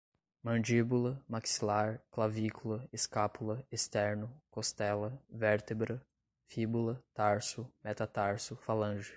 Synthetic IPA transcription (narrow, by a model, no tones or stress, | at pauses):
mɐ̃nd͡ʒibulɐmaksilaɾklavikulɐeskapulɐest̪ɛɾnʊkost̪ɛlɐvɛɾt̪ebɾɐ | fibulɐt̪aɾsʊmɛt̪at̪aɾsʊfalɐ̃ʒɪ